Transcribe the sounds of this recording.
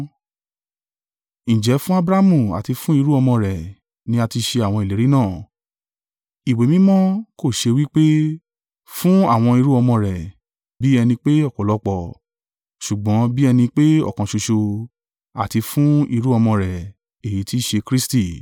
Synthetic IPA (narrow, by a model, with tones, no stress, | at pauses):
ñ̩˨d͡ʒɛ˨˦fũ˦a˦bɾa˦mũ˨a̰˨ti˧fũ˦i˧ɾu˦ɔ˧mɔ̃˧ɾɛ˨ | nĩ˨˦a˧ti˧ʃe˧a˨w̃ɔ̃˧i˨le˨˦ɾi˦nãː˦˨ | i˨we˨mĩ˦mɔ̃˦ko˦˨ʃe˧wi˦k͡pe˦ | fũ˦a̰˦˨w̃ɔ̃˧i˧ɾu˦ɔ˧mɔ̃˧ɾɛ˨ | bi˦ɛ˧nĩ˧k͡pe˦ɔ˦˨kɔ˨lɔ˨˦k͡pɔ˦˨ | ʃu˨ɡ͡bɔ̃˨˦bi˦ɛ˧nĩ˧k͡pe˦ɔ̰˦˨kã˨ʃo˧ʃo˧ | a˨ti˧fũ˦i˧ɾu˦ɔ˧mɔ̃˧ɾɛ˨ | e˨ji˨˦ti˦ʃe˧kɾi˦sti˦˨